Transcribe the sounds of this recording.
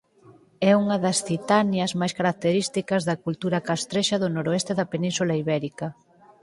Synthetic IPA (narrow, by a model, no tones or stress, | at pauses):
ɛuŋɐðɐsθit̪anjɐzmajskaɾak̚t̪eɾist̪ikɐzðɐkult̪uɾɐkast̪ɾeʃɐðʊnoɾoest̪eðɐpenĩnsulaiβɛɾikɐ